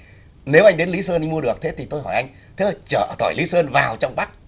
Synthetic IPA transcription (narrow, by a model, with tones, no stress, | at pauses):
ne˨˦wʔa˧jŋ̟ɗe˨˦nli˨˦səː˧na˧ŋ̟mu˧əɗɨ˨˩ək̚t̪ʰe˨˦t̪ʰi˨˩t̪o˧jɦɔ̰˧˩jʔa˧jŋ̟ | t̪ʰe˨˦zt͡ɕəː˧˩˧t̪ʰɔ˧˩jli˨˦səː˧nvaː˨˩wt͡ɕɔ˧wŋ͡mɓa˦˥k̚